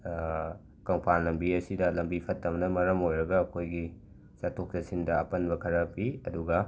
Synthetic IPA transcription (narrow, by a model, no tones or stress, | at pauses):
kɐŋpʰanlɐmbiɐsidɐlɐmbipʰɐtːɐmɐnɐmɐɾɐmojɾɐɡɐːkʰojɡi | satʰok̚tɐsindɐɐpɐnbɐkʰɐɾɐpiɐduɡɐ